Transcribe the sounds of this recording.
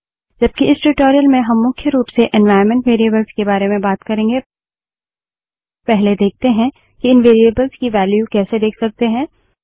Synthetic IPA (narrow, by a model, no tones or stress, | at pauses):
d͡ʒɐb̚kiɪsʈuʈoːɾijəlmẽɦɐmːʊkʰjəɾuːpseʔɛ̃nʋaːɪɾmɛ̃ɳʈʋeːɾiəbəlzkebaːɾemẽbaːt̪kɐɾẽːŋɡe | pɛɦled̪eːk̚t̪eɦɛ̃ | kiɪnʋeːɾiəbəlzkiʋɛːljukɛːsed̪eːkʰsɐk̚t̪eɦɛ̃ː